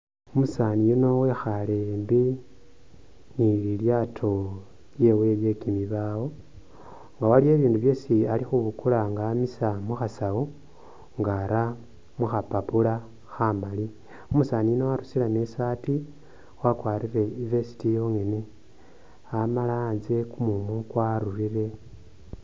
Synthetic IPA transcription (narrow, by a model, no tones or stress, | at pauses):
omusanijino̞we̞xalembi | nililjatʰo̞ | lje̞we̞lje̞kimiβaːwo̞ | ŋɡawalie̞ːβiːnduβje̞sialixuβukulaŋɡaːmisamuxasawo | ŋɡaɾa | muxapapula | xamali | omusaːninowaɾusilamesaːti | wakwaːɾireivesi̥tijo̞ŋe̞ne̞ | amalaːnzekumumukwaɾuɾire̞